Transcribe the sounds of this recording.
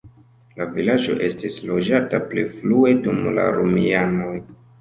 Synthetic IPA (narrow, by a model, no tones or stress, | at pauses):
lavilad͡ʒo̞̰ʔe̞stislo̞d͡ʒatapliflue̞dumla̰ɾumiano̞j